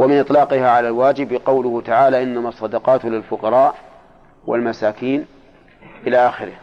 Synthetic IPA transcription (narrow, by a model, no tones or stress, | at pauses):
wamɪnʔɨt̪ˤlɑːqɪhaʕalalwaːd͡ʒɪbqɑwlʊhʊt̪aʕaːlaʔɪnːamasˤːɑd̪ɑqɑːt̪lɪlfʊqɑɾˤɑːʔ | wa̰lmasaːkiːn | ʔɪlaʔaːxɪɾɪh